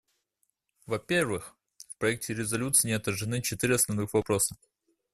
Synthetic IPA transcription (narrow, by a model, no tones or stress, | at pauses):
vɐpʲe̞rvɨx | fpɾɐɛk̚tʲɪɾʲɪzɐlʲut̪sɨːnʲɪɐt̪əɾʐɨnɨt͡ɕɪt̪iɾʲɪɐsnɐvnɨxvɐpɾosə̥